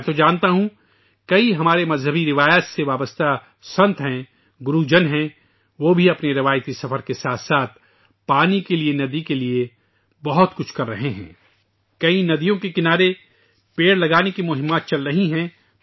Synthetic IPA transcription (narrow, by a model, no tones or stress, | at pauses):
t̪od͡ʒãːnt̪aɦũ | kɐiɦɐmaːɾemɐzɦəbiɾɪʋaːjat̪seʋaːbəst̪a | sɐ̃nt̪ʰɦɛ̃ | ɡʊɾud͡ʒɐnɦɛ̃ | ʋoːbʱiɐpneɾɪʋaːjt̪isɐfəɾkesaːt̪ʰsaːt̪̚ʰ | paːnikelienɐd̪ikelie | bɐɦʊt̪kʊt͡ʃʰkɐɾːɐɦeɦɛ̰̃ː | kɐinɐd̪ijõkekɪnaːɾe | peːɽlɐɡaːnekimʊɦɪ̃mːaːt̪̚t͡ʃɐlɾɐɦiɦɛ̃ː